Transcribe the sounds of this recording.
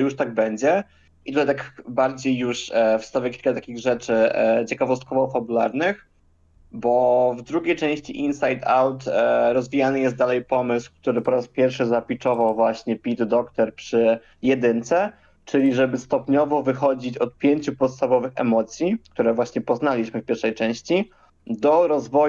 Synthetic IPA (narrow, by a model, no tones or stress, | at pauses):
juʂt̪aɡ̚bɛɲd͡ʑɛ | ʔit̪ut̪ajt̪akbaɾd͡ʑejːuʂfst̪avʲɛkʲi̥lkat̪akʲiɣʐɛt͡ʂɘt͡ɕɛkavɔst̪̚kɔvɔfabulaɾnɘx | bɔvd̪ɾuɡʲejt͡ʂɛ̃w̃ɕt͡ɕiʔinsajd̪awt̪ɾɔzvʲijanɘjɛst̪d̪alɛjpɔmɘswk̚t̪uɾɘpɔɾaspʲjɛɾfʂɘzapʲit͡ʂɔvawvwaɕɲɛpʲid̪d̪ɔkt̪ɛɾpʂɘ | jɛd̪ɘnt̪sɛ | t͡ʂɘlʲiʐɛbɘst̪ɔpɲɔvɔvɘxɔd͡ʑit͡ɕɔt̪̚pʲjeɲt͡ɕupɔt̪st̪avɔvɘxɛ̰mɔt̪sʲjik̚t̪uɾɛvwaɕɲɛpɔznalʲiɕmɘfpʲjɛɾʂɛjt͡ʂɛ̃w̃ɕt͡ɕi | d̪ɔɾɔzvɔ